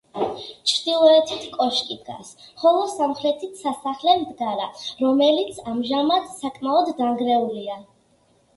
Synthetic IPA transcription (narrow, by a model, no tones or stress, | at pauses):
t͡ʃʰɾd̪̥ilˠɔɛt̪ʰit̪ʰkʼɔʃkʼid̪ɡa̰sχɔlˠɔsamχɾɛt̪ʰit̪ʰsasaχlɛmd̪ɡaɾaɾɔmɛlit̪sʰamʒamad̪sakʼmaɔd̪ːaŋɡɾɛulia